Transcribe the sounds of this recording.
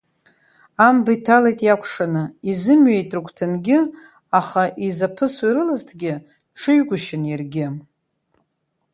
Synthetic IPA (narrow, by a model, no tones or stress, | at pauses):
ambaitʰalajtʼjakʷʰʂanɨizɨmɥejtʼrɨkʷʰtʰɨnɡʲɪ | aχaʔizapʰɨswjɾɨlaztʰɡʲɪ | ʈ͡ʂʰɨɥɡʷʊʃɪnjarɡʲɪ